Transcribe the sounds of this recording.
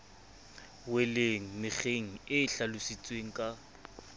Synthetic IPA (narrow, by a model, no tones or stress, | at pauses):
weleŋ̩mɪχeŋ̩ɪːɬalʊsit͡sʼweŋ̩kʼa